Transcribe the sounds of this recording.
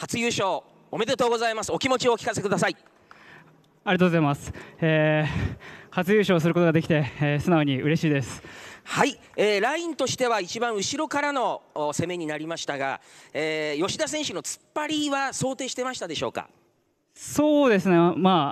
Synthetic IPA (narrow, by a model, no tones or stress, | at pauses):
hat͡sɨjɯːɕo̞ː | ome̞d̪e̞t̪o̞ːɡo̞zaimasɨo̞kʲimo̞t͡ɕioːkʲi̥kase̞kɯ̟d̪asai | aɾʲeat̪oɡozaimasɨ̥eː | hat͡sɨjɯːɕo̞ːsɨɾɯ̟ko̞t̪oɡad̪ekʲi̥t̪e̞eːsɨnaoɲ̟iɯ̟ɾe̞ɕiːd̪esɨ̥hai | eːɾaĩnt̪o̞ɕi̥t̪e̞β̞ait͡ɕibãɰ̃ɯ̟ɕiɾo̞kaɾano̞se̞me̞ɲ̟inaɾʲimaɕi̥t̪aɡa̰eːjo̞ɕid̪as̬ẽ̞ɰ̃ɕɯno̞t͡sɨ̥pːaɾʲiβaso̞ːt̪e̞ːɕi̥t̪e̞maɕi̥t̪ad̪e̞ɕo̞ːka̰ | so̞ːd̪e̞sɨnema